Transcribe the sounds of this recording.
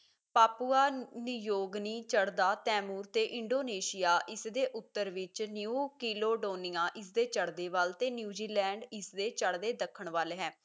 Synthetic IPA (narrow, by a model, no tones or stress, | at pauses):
paːpuaːnijoːɡniːt͡ʃəɽd̪aːt̪ɛːmuːɾt̪eːʔɪɳɖoːneːʃɪjaːʔɪsd̪eːʔʊt̪ːəɾʋɪt͡ʃnjuːkiːloːɖoːnɪjãːʔɪsd̪eːt͡ʃəɽd̪eːʋəlt̪eːnjuːd͡ʒiːlɛ̃ːɳɖɪsd̪eːt͡ʃəɽd̪eːd̪əkʰːəɳʋaːleːɦɛ̃ː